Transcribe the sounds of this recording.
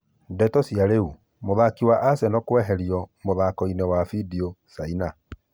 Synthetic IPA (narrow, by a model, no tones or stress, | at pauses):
dɛtɔsjaɾeu | moðakiwaʔasɛnɔkwɛɦɛɾjɔmoðakɔinɛwafidiosaina